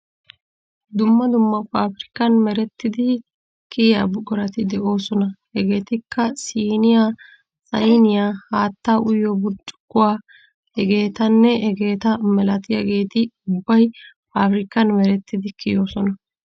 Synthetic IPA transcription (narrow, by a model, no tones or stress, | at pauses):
d̪ʊmːɐd̪ʊmːɐpaːfɾɪkːɐnmɛɾɛt̪ːɪd̪ɪ | kɪjja̰ːbʊɡɔɾɐt̪ɪd̪ɛʔo̞ːsɔnɐhɛɡe̞ːt̪ɪkːɐsiːnɪjaː | sɐjnɪjaːhaːt̪ːaːʔʊjːɔbʊt͡ʃʼːɡʊwaː | hɛɡe̞ːt̪ɐnːɛʔɛɡe̞ːt̪ɐmɛlɐt̪ɪjaɡe̞ːt̪ɪʊbːɐj | faːfɾɪkːɐnmɛɾɛt̪ːɪd̪ɪkɪjo̞ːsɔnɐ